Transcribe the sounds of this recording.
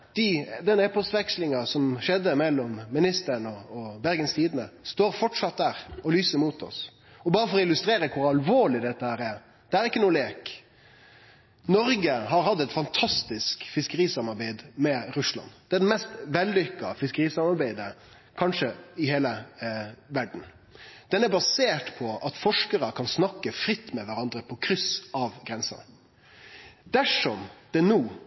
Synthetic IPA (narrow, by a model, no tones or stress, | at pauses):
d̪̥ɪd̪ɛnɛpɔst̪ʋɛkslɪŋɑsɔmʃɛd̪ːəmɛlːɔmːɪnɪst̪əɾnɔɔbæɾɡənst̪ʰiːd̪ənəst̪oːɾfɔʈʂɑt̪̚d̪æːɾɔlyːsəɾmuːt̪ʰɔ̰s | ɔbɑːɾəfɔɾɔɪlːʉst̪ɾeːɾəkʰʊɾɑlʋoːɭɪd̪ɛt̪ːəhæːɾɛɾ | d̪̥ɛæɾɪkːənuːleːk | nɔɾɡəhɑɾhɑd̪ːɛt̪fɑnt̪ʰɑst̪ɪskfɪskəɾiːsɑmɑɾbæɪd̪mɛɾʉslɑ̰nd̪̥ɛæɖ̪ɛmɛst̪ʋɛlːʏkːɑfɪskəɾiːsɑmɑɾbæɪd̪ə | kʰɑnʂəɪheːlə | ʋæɖɳ̩ | d̪̥ɛnæɾbɑseːʈpʰɔʔɑt̪fɔʂkəɾəkʰɑnsnɑkːəfɾɪt̪ːmɛʋæɾɑnd̪ɾəpʰɔkʰɾʏsɑʋɡɾɛnsə̰n | d̪̥æʂɔmd̪̥ɛnuː